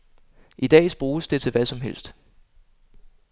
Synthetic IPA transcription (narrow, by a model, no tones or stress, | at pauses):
ʔid̥ɛ̰ːsb̥ʁuːsd̥e̝t͡sʰe̝lʋæsɒ̽mɦel̰sd̥